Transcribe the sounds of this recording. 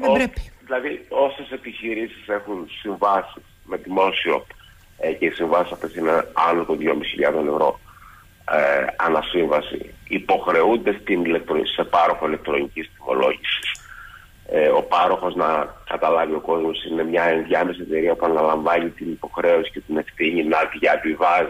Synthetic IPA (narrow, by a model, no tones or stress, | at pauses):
oɾeðilɐðio̞se̞se̞piçiɾisise̞xunsiɱvɐsis | me̞ðimo̞siop | ce̞isiɱvɐsisɐft̪e̞sineɐnot̪oðjomisçiʎɐðo̞ne̞vɾo̞ | ɐ̰nɐsiɱvɐsḭipo̞xɾe̞und̪e̞st̪inilek̚t̪ɾose̞pɐɾo̞xo̞ile̞k̚t̪ɾo̞ɲicist̪imo̞̰lo̞̰ʝisi̥s | o̞pɐɾo̞xo̞znɐkɐt̪ɐlɐvio̞ko̞zmo̞sine̞mɲɐe̞nðʝɐme̞sie̞t̪e̞ɾiɐpuɐnɐlɐɱvɐɲit̪inipo̞xɾe̞o̞si̥ce̞t̪ine̞fθiɲinɐðʝɐvivɐz